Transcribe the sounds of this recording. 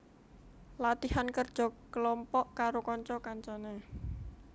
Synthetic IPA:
lat̪ihankərd̥ʒ̥ɔ̤kəlɔmpɔʔkaɾokɔɲt͡ʃɔkaɲt͡ʃɔne

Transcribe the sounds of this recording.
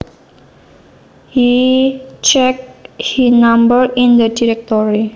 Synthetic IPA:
hi | t͡ʃɛk̚hinambəɾind̪ədiɾɛk̚t̪ɔɾi

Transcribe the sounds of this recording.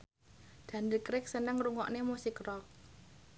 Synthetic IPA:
d̪̥ä̤ndəkɾɪk̚sənəŋruŋɔ̰ʔnemusikrɔk̚

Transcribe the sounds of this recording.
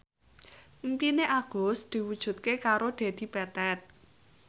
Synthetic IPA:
mpineʔaɡ̥osd̪̥i̤wud̥ʒ̥ṳt̪̚kekaɾod̪̥e̤d̪̥i̤pɛt̪ɛt̪̚

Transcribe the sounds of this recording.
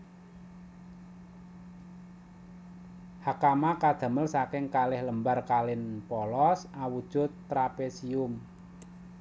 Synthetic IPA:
hakamakad̪̥a̤məlsakɪŋkalɪhləmbarkalɪnpɔlɔsawud̥ʒ̥ʊt̪ːɾapesiʊm

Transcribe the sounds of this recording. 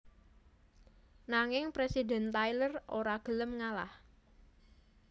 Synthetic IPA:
naŋɪŋpɾesidɛ̤nt̪ajlərʔoɾaɡ̥ələmŋala̰h

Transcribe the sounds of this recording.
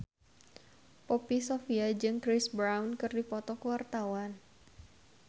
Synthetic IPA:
pɔpisofiad͡ʒɨŋkɾɪsbɾawnkɨrdipɔt̪ɔkəwart̪awan

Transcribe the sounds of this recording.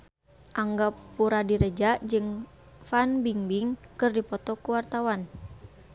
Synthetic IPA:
ʔaŋɡapuɾadiɾəd͡ʒaʔd͡ʒɨŋ | fanbiŋbiŋkɨrdipɔt̪ɔkuwart̪awan

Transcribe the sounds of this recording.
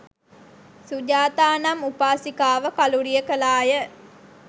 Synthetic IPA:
sud͡ʒaːt̪aːnɐmupaːsikaːʋəkaluɾijəkəlaːjə

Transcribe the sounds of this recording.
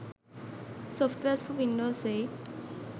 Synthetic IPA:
sɔfʈʋesfɔʋinɖoːseː

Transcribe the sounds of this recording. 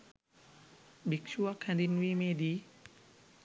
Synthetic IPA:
bikt͡ʃuakʰandinwimedi

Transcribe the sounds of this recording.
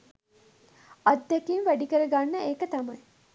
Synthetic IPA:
ɐd̪ːekinʋæɖikəɾəɡanːəeːkət̪ɐmɐj

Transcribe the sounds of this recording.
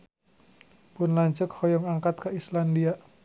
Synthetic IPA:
pʊnlaɲt͡ʃəkhɔjɔŋaŋkat̪̚kaislandiaʔ

